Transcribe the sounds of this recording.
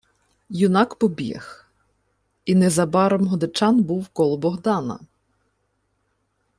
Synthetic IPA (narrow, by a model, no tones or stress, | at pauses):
jʊnɑkpɔbʲḭx | inɛzɐbɑɾɔmɦɔd̪et͡ʃɑnbuwkɔlˠɔbɔɦd̪ɑnɐ̰